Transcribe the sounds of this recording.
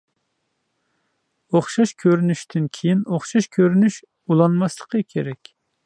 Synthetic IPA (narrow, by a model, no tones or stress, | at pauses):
oχʃɑʃkʲʰøɾynyʃt̪ʰɪnkʲʰejinoχʃɑʃkʲʰøɾynyʃ | ulˠɑnmɑslˠə̥qʰəkʲʰeɾɛkʲ